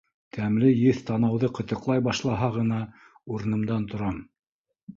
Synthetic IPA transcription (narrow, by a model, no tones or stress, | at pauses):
t̪ʰæmlɘjɘθt̪ɑnɑwðɤqɤ̆t̪ɤ̆qlˠɑjbɑʃlˠɑɦɑʁɤ̆n̪ɑ | uɾɤ̆nɤ̆md̪ɑnt̪ŏɾɑm